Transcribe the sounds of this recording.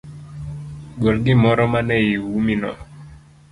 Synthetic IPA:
ɡɔlɡɪmɔɾɔmanɛiwuminɔ̰

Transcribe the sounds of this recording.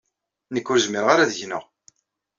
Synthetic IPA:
nəkːʊɾzmiɾʁaɾaðəʝnə̰ʁ

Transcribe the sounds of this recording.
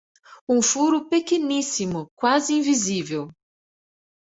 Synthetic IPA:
ũfuɾʊpekenisimʊkwazɪĩvizivew

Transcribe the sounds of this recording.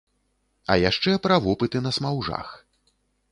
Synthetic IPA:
ɐ̰jaʂt͡ʂɛpɾɐvɔpɨt̪ɨnɐsmawʐa̰x

